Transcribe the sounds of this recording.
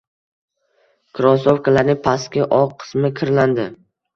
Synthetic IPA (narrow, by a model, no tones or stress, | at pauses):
kʰɾɒsofkʰalaɾnɪŋpʰaskʲɪʔɒqʰɨ̥smɪkʲʰɪɾland̪ɪ